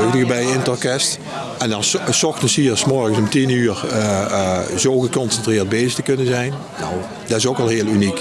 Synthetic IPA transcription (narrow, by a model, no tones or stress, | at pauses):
odəɣəbɛjɪnətɔɹkɛst | ɛndɑnsɔxtənshiːɹsmɔɹɣənsɔmtinyːɹ | zowɣəkɔnsɛntrɪːɹd̚beːzərtəkɵnənzɛjn | nɔ̰w | dɑɪsokɑlˠɦeːəlˠynik